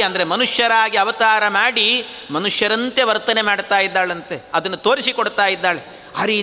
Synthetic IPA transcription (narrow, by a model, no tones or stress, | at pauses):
ɐnd̪ɐɾemɐnuʂjɐɾaːɡiɐʋɐt̪aːɾɐmaːɽi | mɐnuʂjɐɾɐnt̪e̞ʋɐɾt̪ɐne̞maːɽt̪aːjid̪ːaːɭɐnt̪e̞ɐd̪ɐnːut̪oːɾisikoɽt̪aːjid̪ːaːɭe | ɐɾi